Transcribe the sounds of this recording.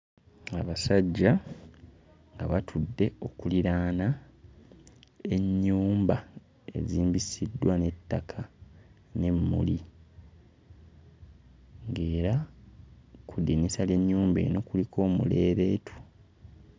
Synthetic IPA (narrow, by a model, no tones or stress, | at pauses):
aβasaɟːa | ŋɡa̰βatʰudːe̞o̞kuliɾaːna | e̞ɲːuːmba | e̞̰ziːmbisidːwane̞tːakʰa | ne̞mːṵli | ŋɡe̞ːɾa | kudinisaljeɲːuːmbḛno̞kulikʰo̞ːmṵle̞ːɾe̞ːtʰu̥